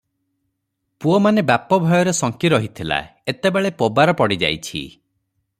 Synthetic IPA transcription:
puɔmanebapɔbʱɔjɔɾesɔŋkiɾɔɦit̪ʰila̰et̪ebeɭepobaɾɔpɔɽid͡ʒa̰jt͡ʃʰḭ

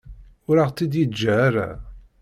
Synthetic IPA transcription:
ʊɾaʁt͡s̪ːid̪jəd͡ʒːaːɾa̰

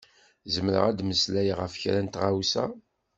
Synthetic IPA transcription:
zəmɾə̰ʁæd̪məslæjʁəfçɾænt̪ʁawsæ̰

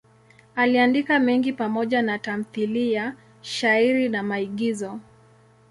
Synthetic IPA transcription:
aliandikamɛŋɡipamɔʄanatam̩θilija | ʃaiɾinamaiɠizɔ

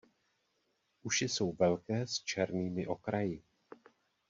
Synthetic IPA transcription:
ʔuʃɪso̞wvɛlkɛːst͡ʃɛɾniːmɪʔo̞kɾajɪ

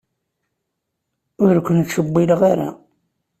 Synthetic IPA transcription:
ʊɾkʷːənt̪ʃəbːilʁaɾa̰

